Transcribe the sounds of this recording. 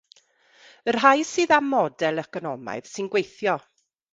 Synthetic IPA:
ər̥ɦajsɨːðamːɔdɛlˠɛkɔnɔma̰ɨð̥sɨnɡwejθjɔ

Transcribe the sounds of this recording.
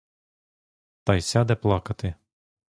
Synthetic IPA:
t̪ɐjsʲæd̪ʲɛplˠɑkɐt̪ɪ

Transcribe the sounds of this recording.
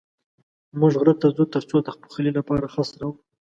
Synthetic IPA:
muʒɣɾət̪ːazut̪əɾt͡sod̪əxpu̥xəlilapɑɾaxɑsɾawu

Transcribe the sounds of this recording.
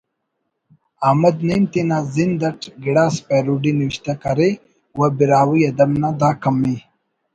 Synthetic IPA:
aːmɐd̪nemt̪inaːzind̪ɐʈɡiɽaːspeɾuɖiniwiʃt̪akaɾe | wabiɾaːwiɐd̪ɐmnad̪aːkɐmːi

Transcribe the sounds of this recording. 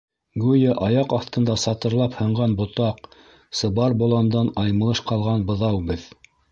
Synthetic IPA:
ɡʉjɘʔɑjɑqɑθt̪ɤ̆nd̪ɑsɑt̪ɤ̆ɾlˠɑphɤ̆ɴʁɑnbŏt̪ɑq̚ | sɤ̆βɑɾbŏlˠɑnd̪ɑnɑjmɤ̆lˠɤʃqɑlˠʁɑnbɤ̆ðɑwbɘð

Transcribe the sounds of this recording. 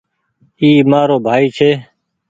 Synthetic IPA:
iːmaːɾoːbʱaːiːt͡ʃʰeː

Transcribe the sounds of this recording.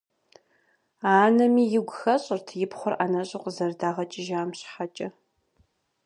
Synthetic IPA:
aːnɐmiːjɪɡʷʊxɐɕʼɪrtʰjɪpχʷʊranɐɕʼʊqəzɐrdaːʁɐt͡ʃʼɪʒaːmɕħat͡ʃʼɐ

